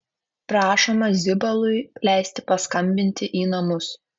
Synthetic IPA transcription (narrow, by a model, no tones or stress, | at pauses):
pɾɑːʃomɐzʲɪbɐlˠʊɪlʲæɪsʲt̪ʲɪ̥pɐskɐmʲbʲɪnʲt̪ʲɪʔiːnɐmʊs